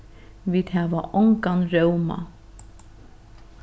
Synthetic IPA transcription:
viːd̪hɛːvaʔɔŋkanɾœwma̰

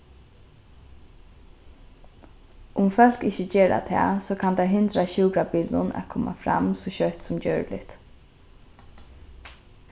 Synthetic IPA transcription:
ʔʊmfœl̥kɪçəd͡ʒeːɾa̰t̪ʰɛ̰ːsoːkʰant̪aɦɪnt̪ɾaɕuːkɾabiːld̪ʊna̰kʰɔːma̰fɾa̰msɔɕœht̪sʊmd͡ʒœːɹlɪ̰t̪

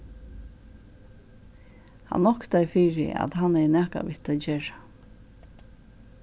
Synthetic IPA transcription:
ha̰nnːɔhkt̪ajfiːɹɪ̰ʔa̰t̪hanːɛnɛːka̰ʋɪht̪ad͡ʒeːɹḁ

